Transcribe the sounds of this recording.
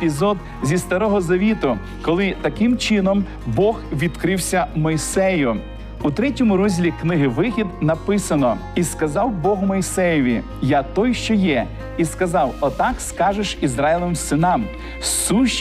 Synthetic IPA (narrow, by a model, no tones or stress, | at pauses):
pʲizɔd̪ | zʲist̪ɐɾɔɦɔzɐʋʲit̪ʊ | kɔlˠɪt̪ɐkɪmt͡ʃɪnɔm | bɔxʋʲid̪kɾɪwsʲɐmɔjsɛjʊ | ut̪ɾɛtʲɔmʊɾɔzʲlʲiknɪɦɪʋɪxʲid̪nɐpɪsɐnɔiskɐzɑwbɔɦʊmɔjsɛjɔʋʲi | jat̪ɔjʃt͡ʃɔjɛ | iskɐzɑwɔt̪ɑkskɑʒeʃizɾɑjlˠɔʋɪmsɪnɑm | suʃ